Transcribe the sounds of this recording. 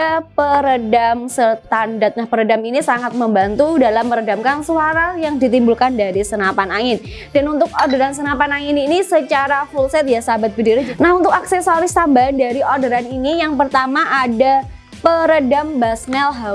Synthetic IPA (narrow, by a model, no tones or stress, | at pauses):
apəɾədamsət̪andat̪̚nahpəɾədaminisaŋat̪̚məmbant̪udalamːəɾədamkansuaɾajaŋdit̪imbulkandaɾisənapanaŋɪn | danunt̪ʊk̚odəɾansənapanaŋɪninisət͡ʃaɾafulsɛt̪̚jasabat̪̚bədiɾad͡ʒnahunt̪ʊkaksɛsaɾɪst̪ambandaɾiodəɾaninijaŋpərt̪amaʔada | pəɾədambasnɛlɦa